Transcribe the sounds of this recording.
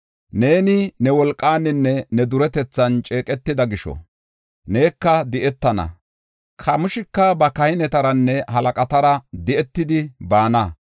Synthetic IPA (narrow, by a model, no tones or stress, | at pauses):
ne̞ːnɪnɛwɔlkʼːaːnɪnːɛnɛd̪ʊɾɛt̪ɛt͡sːɐnt͡ʃʼe̞ːkʼɛt̪ːɪd̪ɐɡɪʃɔ̰ | ne̞ːkːɐd̪ɪʔɛt̪ːɐnɐ̰ | kʰɐmʊʃɪkːɐbɐkɐhɪnɛt̪ɐɾɐnːɛhɐlɐkʼɐt̪ɐɾɐd̪ɪʔɛt̪ːɪd̪ɪbaːnɐ